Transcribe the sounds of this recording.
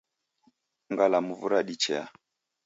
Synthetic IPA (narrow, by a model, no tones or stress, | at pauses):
ŋɡalamuvuɾaɗit͡ʃɛa̰